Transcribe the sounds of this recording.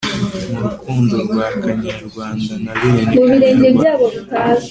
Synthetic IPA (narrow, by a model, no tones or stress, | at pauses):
muβiɾeːɲɟebjaːβoβitaːz